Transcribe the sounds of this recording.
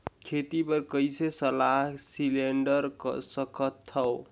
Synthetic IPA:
kʰet̪ibəɾkəjsesəlaɦsileɳɖəɾksʌkʰʌt̪ʰːʌw

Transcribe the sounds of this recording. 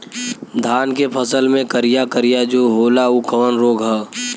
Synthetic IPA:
d̪ʱaːnkepʰəsəlmẽkəɾijakəɾijad͡ʒoːɦoːlaukʰəʋənɾoːɡɦɛː

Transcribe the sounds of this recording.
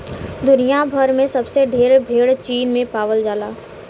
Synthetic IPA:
d̪ʊnijabʱɐɾmẽsɐbseɖʱeːɾbʱeːɽt͡ʃiːnmẽpaːʋəld͡ʒaːlaː

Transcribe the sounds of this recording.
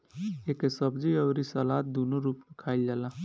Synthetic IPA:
eːkesəbd͡ʒiəwɾisəlaːt̪̚d̪onoɾuːpmekʰaːɪld͡ʒaːla

